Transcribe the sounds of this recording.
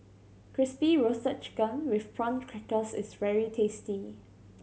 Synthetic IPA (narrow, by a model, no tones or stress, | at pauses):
kʰɹɪspiɹosət͡ʃɡãnwɪfpʰɹɔ̃nkʰɹɛkəsɪsvɛɹitʰesti